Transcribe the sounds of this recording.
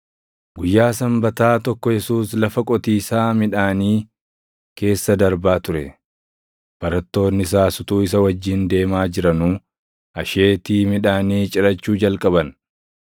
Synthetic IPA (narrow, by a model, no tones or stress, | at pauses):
ɡʊjːaːsɐmbɐt̪aːt̪ɔkːɔjɛsuːslɐfɐkʼɔt̪iːsaːmɪᶑaːniː | ke̞ːsːɐd̪ɐɾbaːt̪ʊɾɛ | b̥ɐɾɐt̪ːo̞ːnːɪɪs̬aːsʊt̪uːɪs̬ɐwɐd͡ʒːiːnd̪e̞ːmaːd͡ʒɪɾɐnuː | ɐʃe̞ːt̪iːmɪᶑaːniːt͡ʃʼɪɾɐt͡ʃːuːd͡ʒɐlkʼɐbɐn